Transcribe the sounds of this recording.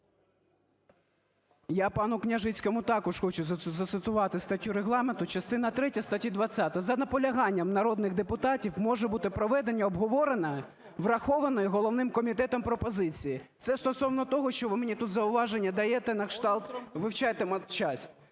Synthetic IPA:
japɑnʊknʲɐʒɪt͡sʲkɔmʊt̪ɑkɔʃxɔt͡ʃʊzɐt̪ɪzɐt̪sɪt̪ʊʋɑt̪ɪst̪ɐtʲːuɾeɦlˠɑment̪ʊt͡ʃɐst̪ɪnɐt̪ɾɛtʲɐst̪ɐtʲid̪ʋɐt͡sʲːat̪ɐzɐnɐpɔlʲɐɦɑnʲːɐmnɐɾɔd̪nɪɣd̪epʊt̪ɑtʲiwmɔʒɛbut̪ɪpɾɔʋɛd̪e̞nʲːɐɔbɦɔʋɔɾenɐ | ʋrɐxɔʋɐnɔjʊɦɔlˠɔʋnɪmkɔmʲit̪ɛt̪ɔmpɾɔpɔzɪt͡sʲijit̪sɛst̪ɔsɔwnɔt̪ɔɦɔʃt͡ʃɔʋɪmenʲit̪ut̪zɐʊʋɑʒenʲːɐd̪ɐjɛt̪ɛnɐkʃt̪ɑlˠt̪ʋɪwt͡ʃɑjt̪emɐt͡ʃɑsʲtʲ

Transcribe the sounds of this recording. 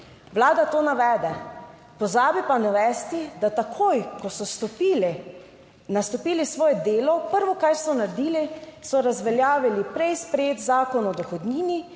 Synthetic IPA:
ʋlaːd̪at̪oːnaʋɛːd̪ɛ | pɔzaːbipanaʋɛːst̪id̪at̪akʰojkɔsɔst̪ɔpiːlɛ | nast̪ɔpiːlisʋɔːjɛd̪eːlɔpəɾʋɔkajsɔnaɾd̪iːlisɔɾazʋɛljaːʋilipɾɛjspɾɛjeːt̪zaːkɔnɔd̪ɔxɔd̪niːni

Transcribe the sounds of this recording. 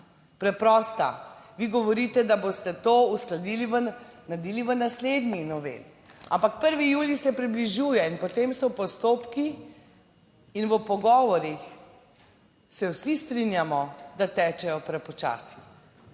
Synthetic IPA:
pɾɛpɾɔːst̪a̰ʋiɡɔʋɔɾit̪ɛd̪abost̪ɛt̪oːusklad̪iːliʋənad̪iːliʋənasled̪ninɔʋḛli | a̰mpakpəɾʋijuːlisɛpɾibliʒuːjɛinpɔt̪emsɔpɔst̪oːpki | nʋəpɔɡɔːʋɔɾix | sɛwsist̪ɾinjamɔd̪at̪ɛːt͡ʃɛjɔpɾɛpɔt͡ʃa̰ːsi̥

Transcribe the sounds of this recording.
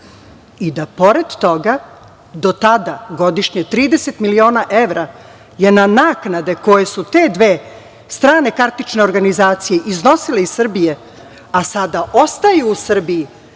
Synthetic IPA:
id̪apo̞ɾed̪t̪o̞ɡa | d̪o̞t̪ad̪aɡo̞d̪iʃɲet̪ɾiːd̪e̞set̪milio̞ːnaʔe̞ʋɾa | je̞nanaːknad̪e̞ko̞jesut̪e̞d̪ʋe̞ː | st̪ɾaːne̞kaɾt̪it͡ʃne̞o̞ɾɡanizaːt̪sije̞ʔizno̞sileizsr̩bije | asad̪aʔo̞st̪ajuːsr̩biji

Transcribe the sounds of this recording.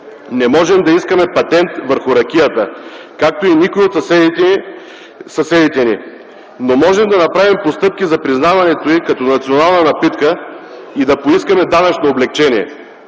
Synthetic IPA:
nɛmɔʒɛmd̪ɐiskɐmɛpɐt̪ɛnt̪vəɾxʊɾɐkʲijət̪əkak̚t̪oinikʊiot̪sɛi | sɐsɛd̪it̪ɛni | nomɔʒɛmd̪ɐnɐpɾavimpost̪ɤp̚k̟ʲizɐpɾiznavɐnɛt̪oikɐt̪ɔnɐt̪sʲionalˠnɐnɐpit̪kə | id̪ɐpoiskɐmɛd̪anɐt͡ʃnoːblɛk̚t͡ʃɛniɛ

